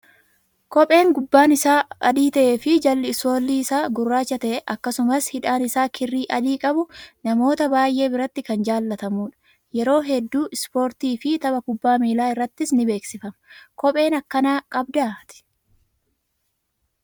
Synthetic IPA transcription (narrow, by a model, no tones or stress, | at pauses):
kɔpʼe̞ːŋɡʊbːaːnɪsaːɐd̪iːt̪ɐʔe̞ːfɪd͡ʒɐlːɪɪso̞ːlːiːɪsaːɡʊrːaːt͡ʃːɐt̪ɐʔɛʔɐkːɐsʊmɐshɪᶑaːnɪsaːkʰɪrːiːʔɐd̪iːkʼɐbʊnɐmo̞ːt̪ɐbaːjʔe̞ːbɪɾɐt̪ːɪkɐnd͡ʒaːlːɐt̪ɐmuːᶑɐ̥ | jɛɾo̞ːɦɛd̪ːuːʔɪspo̞ːɾt̪iːfɪt̪ɐbɐkʊbːaːmiːlaːɪrːɐt̪ːɪsnɪbe̞ːksɪfɐmkɔpʼe̞ːnɐkːɐnaːkʼɐbd̪aːt̪ɪ̥